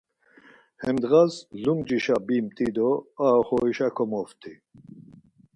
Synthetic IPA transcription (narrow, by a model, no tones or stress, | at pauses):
hɛmd̪ɣazlumd͡ʒiʃabimt̪ʼid̪ɔaɦɔχɔiʃakʰɔmɔft̪ʰi